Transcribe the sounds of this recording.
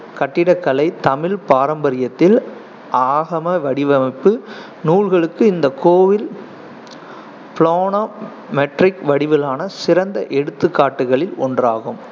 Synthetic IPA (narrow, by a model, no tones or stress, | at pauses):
kɐʈːɪɽɐkːɐlɐɪt̪ɐmɪlpaːɾɐmbɐɾɪjɐt̪ːɪl | ʔaːɣɐmɐʋɐɽɪʋɐmɐɪpːɯ | nuːɻɣɐɭɯkːɯɪnd̪ɐkʰːoːʋɪl | pɪɭoːno | mɛʈrɪkʋɐɽɪʋɪlaːnɐsɪɾɐnd̪ɐʔɛɽɯt̪ːɯkːaːʈːɯɣɐɭɪlɔ̰ndraːɣɯm